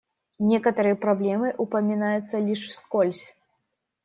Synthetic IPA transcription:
nʲɛkɐt̪ɐɾɨjɐpɾablʲɛmɨʔupɐmʲinajut̪sːɐlʲiʂskɔlʲsʲ

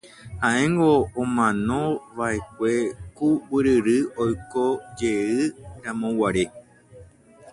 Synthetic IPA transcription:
hãẽŋɡõːmãnõ̞ʋaek̚ʷekuwɨɾɨɾɨojkod͡ʒeɨɾãmõwaɾe

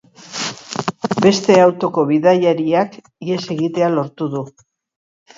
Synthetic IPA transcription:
be̞st̪e̞awt̪o̞ko̞βiðajaɾiak | ie̞se̞ɣit̪e̞alo̞ɾt̪uðu

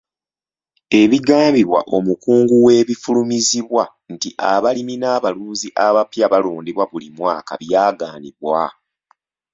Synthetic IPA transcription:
e̞βiɡaːmbiβwa̰ʔo̞mukuːŋɡuwe̞ːβifulumiziβwa | ntiʔaβaliminaːβaluːnziʔaβapjaβaloːndiβwaβulimwaːka̰βjaːɡaːniβwa

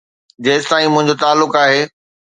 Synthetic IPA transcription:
d͡ʑeːst̪ãːĩmʊ̃ɦɪ̃ɲd͡ʑot̪aːlːʊkaːɦeː

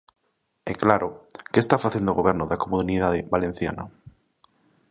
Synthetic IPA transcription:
ɛklaɾokest̪afaθend̪oɣoβ̞eɾnoðakomuniðaðeβalen̟θja̰na

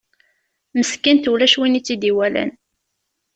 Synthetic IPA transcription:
məskːænt̪ulæʃwinit͡sːid̪iwælæ̰n

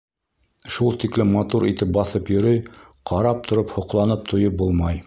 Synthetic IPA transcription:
ʃulˠt̪iklɘmːɑt̪uɾit̪ɘp̚bɑθɤpjɵ̆ɾɵj | qʰɑɾɑp̚t̪ʰŏɾɤphŏqlˠɑnɤp̚t̪ʰŏjɤp̚bulˠmɑj

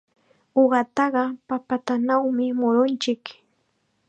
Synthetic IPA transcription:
oɢɑt̪ɑɢɑpapat̪anawmɪmʊɾʊnt͡ʃɪk

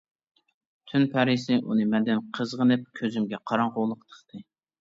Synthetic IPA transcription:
t̪ʰynpʰɛɾisɪʔunɨmɛnd̪ɪnqʰəzʁənɨp̚kʲʰøzymɡʲɛqʰɑɾɑɴqolˠəqt̪ʰə̥χt̪ʰɨ

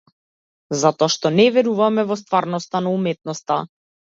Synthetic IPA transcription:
zat̪ɔaʃt̪ɔnɛvɛɾuvamɛvɔst̪vaɾnɔst̪anaumɛt̪̚nɔst̪a

